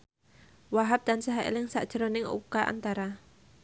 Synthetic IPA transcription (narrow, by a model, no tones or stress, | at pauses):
waɦap̚d̪̥ansaɦaʔḛlɪŋsa̰ʔd̥ʒ̥əɾonɪŋṵkaʔa̰nt̪aɾa